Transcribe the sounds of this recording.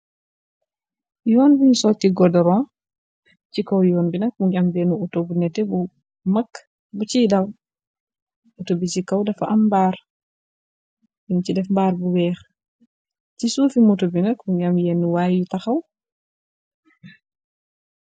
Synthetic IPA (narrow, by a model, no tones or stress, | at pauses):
jɔːnbuɲusɔtiɡɔdɔɾɔ̃ | cikɔwjɔːnbinɐk̚muɲambɛnuutobunɛtːɛbu | mɐkː | but͡ʃidɐw | utobit͡ʃikɐwdɐfaʔɐmbaːɾ | jincidɛfmbaːɾbuwɛːx | cisuːfimutɔbinɐkmuɲɟamjɛnːuwajjutaxɐw